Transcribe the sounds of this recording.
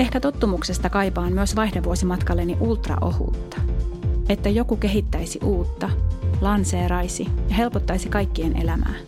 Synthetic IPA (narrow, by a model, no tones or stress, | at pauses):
e̞hkæt̪o̞t̪ːumukse̞st̪ɑkɑjpɑːmmyøsʋɑjhdeʋuosimɑt̪kɑlːe̞nːiʔult̪rɑ̰ʔo̞̰hṵːt̪ːɑ̥e̞t̪ːæjo̞kuke̞ɦit̪ːæjsiʔuːt̪ːɑlɑnse̞ːɾɑjsijɑɦe̞lpot̪ːɑjsikɑjkːienʔe̞̰læmæ̰ː